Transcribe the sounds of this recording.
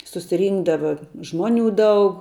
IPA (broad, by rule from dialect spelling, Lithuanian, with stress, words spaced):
sʊsʲɪˈrʲiːŋɡdɐʋɐ ˈʒmuɔˌnʲuː ˈdɐʊk